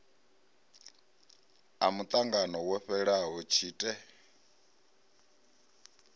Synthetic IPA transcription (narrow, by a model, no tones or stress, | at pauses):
a̰mut̪ʼaŋɡanɔwɛɸɛɺaɦɔt͡ʃʰiːtʼɛ